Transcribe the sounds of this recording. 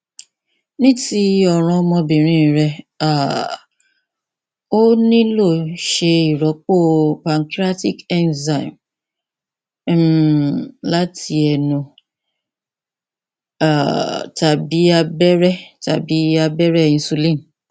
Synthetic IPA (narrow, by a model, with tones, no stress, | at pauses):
nĩ˦ti˦ɔ˦˨ɾ̃ɔ̃˧mɔ̃˧bĩ˨ɾ̃ĩ˦˨ɾɛ˧a˨ | o˦nĩ˦lo˦˨ʃe˧i˨ɾɔ˨˦k͡po˦˨pa˨ŋ˨kɾa˦ti˦˨kɛ˦nza˨i˨m | la˦tʰi˧ɛ˧nũ˧ | a˨ta˨bi˨˦a˧bɛ˦ɾɛ˦ta̰˨bi˨˦a˧bɛ˦ɾɛ˦˧˨ĩ˧˦su˧lĩ˦˨n